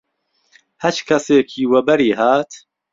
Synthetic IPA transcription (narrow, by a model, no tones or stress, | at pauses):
hɐt͡ʃkʰɐseːkʰiːwɐbɐɾiːɦaːt̪ʰ